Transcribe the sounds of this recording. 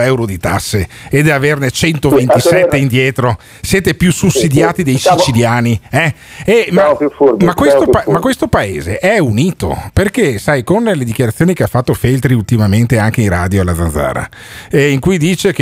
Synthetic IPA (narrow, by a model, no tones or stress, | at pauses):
ɛwɾod̪it̪asːeː | d̪avernet͡ʃɛnt̪ovent̪isɛt̪ːeind̪jɛːt̪ɾo | sjeːt̪epjususːid̪jaːt̪id̪ejsit͡ʃiljaːniɛɛmamakːwest̪omakwest̪opaḛːzḛʔɛuniːt̪o̰perkesajkonled̪ik̟jaɾat̪sjoːnikeafːat̪ːofelt̪ɾiult̪imament̪eaŋk̟eĩraːd̪joalːad̪zanza̰ːɾa̰ | iŋkujd̪iːt͡ʃek